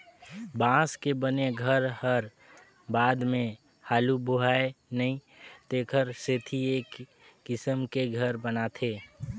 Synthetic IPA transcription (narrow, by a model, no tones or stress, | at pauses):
bãːskebəneɡʱəɾhəɾ | baːd̪mẽ | haːluboɦaːenəĩ | t̪eːkʰəɾset̪ʰieːkː | ɪsəmkeɡʱəɾbənat̪ʰeː